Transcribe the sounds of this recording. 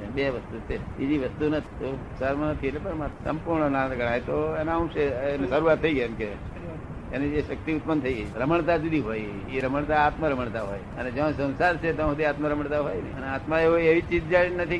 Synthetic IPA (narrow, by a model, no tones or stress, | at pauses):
beʋəst̪ut͡ʃʰebid͡ʒiʋəst̪unət̪ʰi̥t̪o | saɾmanət̪ʰiet̪lepəɳmasəmpuɾɳənaɡəɽ̃ajt̪oenaũʃeenesəɾuʋat̪ʰːəiɡəjemke | enieʃək̚t̪iut̪pənt̪ʰəiɡəjʰɾəməɳt̪ad͡ʒud̪ʱiɦoj | iɾəməɳt̪aːt̪məɾəməɳt̪aɦo̰jəned͡ʒãsə̃w̃saɾt͡ʃʰet̪ãɦd̪iat̪maɾəməɳt̪aɦojnḛəneat̪mãeoeʋit͡ʃit̪̚d͡ʒainət̪ʰi